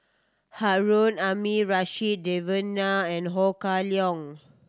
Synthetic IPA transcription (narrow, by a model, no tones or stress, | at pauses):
haɹõnamiɹaʃit̚devənaɛ̃nɦɔkaliɔ̃ŋ